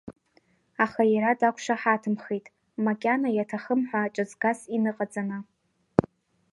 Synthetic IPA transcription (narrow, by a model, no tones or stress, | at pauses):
aχajaɾadakʷʰʂaħatʰɨmχejtʼ | makʲʼanajatʰaχəmħʷᶣaːt͡ʃʷʼazɡasinɨqʼad͡zʼanɨ